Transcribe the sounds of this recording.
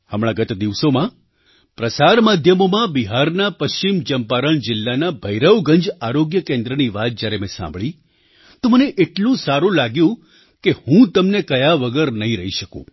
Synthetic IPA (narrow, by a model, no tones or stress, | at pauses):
həmɭ̃ãɡət̪d̪iʋsomã | pɾəsaɾmad̪ʱjəmomãbiɦaɾnapəst͡ʃimd͡ʒəmpaɾəɳd͡ʒɪlːanabʱəjɾəʋɡəɲd͡ʒaɾoɡjəkẽnd̪ɾəniʋat̪̚d͡ʒjaɾemẽsã̰mbʱɭi | t̪oməneʔeʈlũsaɾũlaɡjũ | kehũt̪əmnekəjaʋəɡəɾnəɦĩɾəɦiʃəkṵ̃